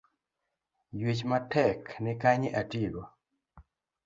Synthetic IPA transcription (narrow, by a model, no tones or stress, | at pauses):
jwit͡ʃmatɛknɪkaɲɪʔatilwa